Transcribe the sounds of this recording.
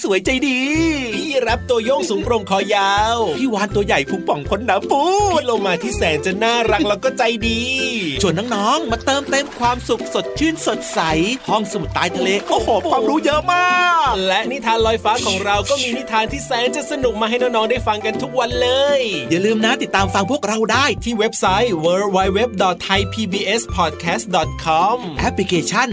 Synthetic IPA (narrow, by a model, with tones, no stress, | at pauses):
su˨˦əjt͡ɕa˧jdiː˧iː˥˩ɾa˦˥p̚t̪u˧ɐjo˥˩ŋsuː˨˩˦ŋpɾo˧ŋkʰɔː˧˩jaː˦˥wpʰiː˥˩waː˧˥nt̪u˧ɐja˨˩jpʰu˨˦˥ŋ̚pɔ˨˩˦ŋkʰo˧˦nːaː˨˦mpuː˧˥lo˧maː˧t̪ʰiː˥˩sɛː˨˩˦nt͡ɕa˨˩naː˥˩ɾa˦˥k̚lɛː˦˥wkɔː˥˩t͡ɕa˧jdiː˧t͡ɕʰu˨˩ənːɔː˧ŋnɔː˦˥ŋma˧˩k̚t̪ɤː˧mt̪e˧mkʰwaː˧msu˨˩k̚so˨˩t̪̚t͡ɕʰɯː˥˩nso˨˩t̪̚sa˨˩˦jhʰɔ˥˩ŋsa˧m˨˩t̪ːaː˧jt̪ʰa˧leː˧˩ʔo˧˩hoː˨˦˧a˧ŋɾuː˧jə˦˥ʔmaː˥˩lɛ˦˥ʔni˦˥t̪ʰaː˧nlɔː˧jfaː˦˥kʰɔː˩˦ŋɾa˧wkɔː˥˩miː˧ni˦˥t̪ʰaː˧nt̪ʰiː˥˩sɛː˨˩˦nt͡ɕa˨˩sa˧nu˨˩k̚maː˧ɦa˥˩jnɔː˥˩ŋnɔː˦˥ŋdaː˥˩jfa˧ŋka˧nt̪ʰu˦˥k̚wa˧nlɤː˧jjaː˨˩lɯː˧mna˦˥t̪i˨˩t̪ːaː˧mfa˧ŋpʰu˥˩ək̚ɾa˧˩wdaː˥˩jt̪ʰiː˥˩we˦˥p̚sa˦˥jwəː˧wa˧jwe˦˥p̚dɔ˨˩t̪ʰːa˧jpʰiː˧biː˧ʔe˦˥spʰɔː˨˩t̪̚kʰɛː˦˥st̪̚dɔː˨˩t̪̚kʰɔ˧˥mʔɛ˦˥pli˧kʰeː˧t͡ɕʰa˥˩n